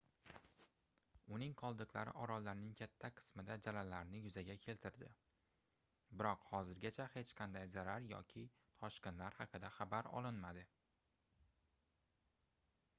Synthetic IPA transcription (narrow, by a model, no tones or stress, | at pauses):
ʊnɪŋqʰɒlˠd̪ɨqlaɾɪ̰ʔɒɾɒlːaɾnɪŋkʲʰat̪ʰːaqʰɨ̥smɪd̪ad͡ʒalalːaɾnɪjʊzaɡʲakʲʰe̞lt̪ʰɪɾd̪ɪ̰ | bɪɾɒqhɒzɪɾɡʲat͡ʃʰahe̞t͡ʃqʰɑnd̪ajzaɾaɾjɒ̰kʲʰɪ | t̪ʰɒʃkʲenlaɾhɑqʰɨd̪aχabaɾɒ̰lˠɪnmad̪ɪ